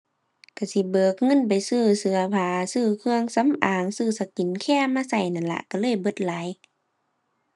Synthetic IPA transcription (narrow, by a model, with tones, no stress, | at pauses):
ka˨˧˩si˧˦bɤː˨˧˦k̚ŋɤ˧˥˨npa˨jsɯː˧˩sɯ˧˦ɐpʰaː˨˧˦sɯː˧˩kʰɯ˧əŋsa˨˧˦mʔaː˨˦ŋsɯː˧˩sa˧ki˨nkʰɛː˧˥˩maː˧˥˨sa˧˩jna˧˨nla̰˧ʔka˧˩lɤː˧˥˨jbɤ˧˦t̪̚laː˨˦j